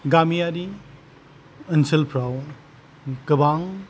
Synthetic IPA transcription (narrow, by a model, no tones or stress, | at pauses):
ɡamijaɾi | ənsəlpʰɾaw | kəbaŋ